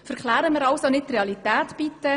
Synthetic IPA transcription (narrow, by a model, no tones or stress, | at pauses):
fɛɾkχlæːɾəməɾɑwsonɪt̚treɑlitæːtb̥it̪ːə